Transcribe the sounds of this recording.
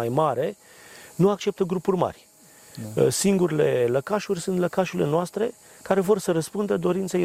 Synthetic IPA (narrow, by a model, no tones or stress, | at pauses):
ajmaɾe̞ | nuak̚t͡ʃe̞p̚t̪əɡɾupurʲma̰rʲ | siŋɡuɾile̞ləkaʃurʲsunt̪ləkaʃuilenoast̪ɾe̞ | kaɾe̞vo̞rsəɾəspund̪əd̪o̞ɾint̪sej